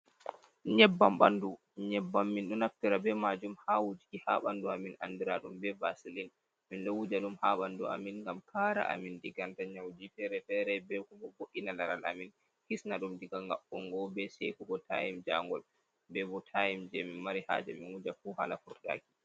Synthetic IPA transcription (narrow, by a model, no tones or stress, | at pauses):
ɲɛbːamɓandu | ɲɛbːamːinɗɔnaftiɾabɛmad͡ʒumhawud͡ʒikiha̰ːɓanduamina̰ndiɾaɗumbɛvasilin | minɗɔwud͡ʒaɗumhaːɓandua̰minŋɡamkʰaːɾa̰ʔa̰mindiɡantaɲawd͡ʒifɛɾɛfɛɾɛbɛkumɔboʔinalaɾala̰min | kisnaɗumdiɡaŋɡaɓɔŋɡɔbɛsḛkuɡɔtʰa̰jimd͡ʒaŋɡɔl | bɛbɔtʰajimd͡ʒɛminmaɾiha̰ːd͡ʒɛ̰minwud͡ʒafuha̰lafuɾɗa̰ːki̥